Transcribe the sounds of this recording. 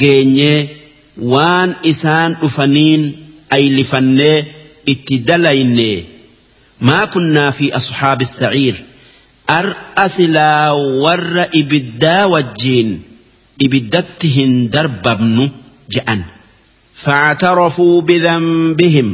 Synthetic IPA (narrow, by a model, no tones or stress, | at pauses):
ɡe̞ːɲːeː | waːnɪsaːnᶑʊfɐniːnʔɐjlɪfɐnːe̞ːɪt̪ːɪd̪ɐlɐjnːeː | maːkʊnːaːfiːʔɑsħaːbɪsːɐʕiːɾ | ʔɐɾʔɐsɪlaːwɐrːɐʔɪbɪd̪ːaːwɐd͡ʒːiːn | ʔɪbɪd̪ːɐt̪ːɪɦɪnd̪ɐɾbɐbnʊ | d͡ʒɛʔɐn | fɐʕt̪ɐɾɑfuːbɪðɐmbɪɦɪm